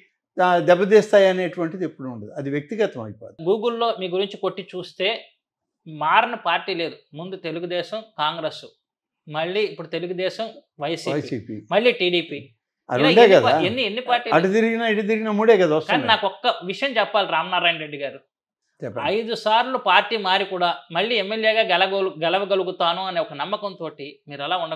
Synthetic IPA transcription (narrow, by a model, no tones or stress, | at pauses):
d̪ɛbːɐd̪iːst̪aːjɐneːʈuʋɐɳʈid̪epːuɽuɳɖud̪iɐd̪iʋjɐk̚t̪iɡɐt̪ɐmɐ̰jpo̰ːd̪iɡuːɡulːo̞ːmiːɡuɾiɲt͡ʃiko̞ʈːit͡ʃuːst̪e̞ː | maːɾɐnɐpaːɾʈiːle̞ːd̪umund̪ut̪e̞luɡud̪ɛːʃɐmkaːŋɡɾeːsu | mɐɭːiːipːuɽut̪e̞luɡud̪ɛːʃɐmʋɐjsiːisipimɐɭːiːʈiːɽiːpiː | ɐɳɖeːkɐd̪aenːienːipaːɾʈːiːlɐʈit̪iɾiɡinɐiʈit̪̬iɾiɡinɐmuːɽeːkɐd̪aʋɐstkaːninaːkɔkːɐʋiʂɐjɐmt͡ʃɛpːaːliɾaːmnaːɾaːjɐnɾe̞ɖːiɡaːɾu | t͡ʃɛpːɐɐjd̪usaːɾlupaːɾʈːiːmaːɾikuːɽaːmɐɭːiːɛmːeljeːɡaːɡɛlɐɡɛlɐʋɐɡɐluɡut̪aːnuɐneɔkɐnɐmːɐkɐnt̪o̞ːʈimiːɾɛlaːuɳɖɐ